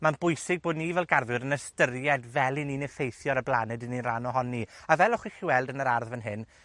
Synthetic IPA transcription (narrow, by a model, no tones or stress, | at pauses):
manb̥ʊjsɪɡ̚boːdnivɛlˠɡarðwɨɾənəstəɾjɛdvɛlˠininɪfejθjɔɾəblˠanɨdɨninranɔɦɔniavɛlˠɔχwiχiwɛlˠdənəɾarðvənɦɨn